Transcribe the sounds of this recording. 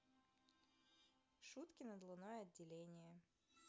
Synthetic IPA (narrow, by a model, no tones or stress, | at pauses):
ʂut̪kʲɪnəd̪lˠʊnojəɐdʲːɪlʲenʲɪjə